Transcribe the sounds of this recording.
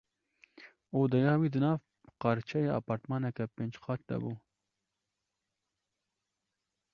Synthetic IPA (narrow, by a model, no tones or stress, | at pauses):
oːd̪ɐjɑːwiːd̪ɨnɑːv | qɑɾt͡ʃʰɛjeɑ̰ːpɑːɾt̪mɑːnɐkapend͡ʒqʰɑːt̚d̪ɐ̰buː